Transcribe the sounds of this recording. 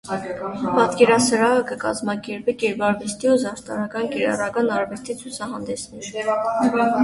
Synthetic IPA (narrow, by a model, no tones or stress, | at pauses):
pɑt̪kɛɾɑsəɾɑəkəkɑ̰zmɑkɛɾpikɛɾbɑɾvɛst̪ʰiuzɑɾt̪ɑɾɑkɑnkɛɾɑ̰rɑkɑnɑɾvɛst̪ʰit͡sʰut͡sʰɑɦɑnd̪ɛsnɛɾ